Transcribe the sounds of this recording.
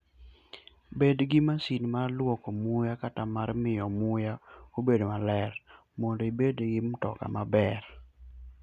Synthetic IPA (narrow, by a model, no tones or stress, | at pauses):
bedɡɪmasinmarlwɔkomʊjakatamarmɪjɔmʊjaobedomalɛr | mɔndoibedɡɪmtɔka̰mabɛr